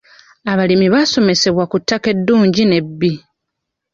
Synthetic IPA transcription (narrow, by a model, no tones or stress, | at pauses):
aβalimiβaso̞me̞se̞βwakutːake̞dːuːɲɟine̞bːi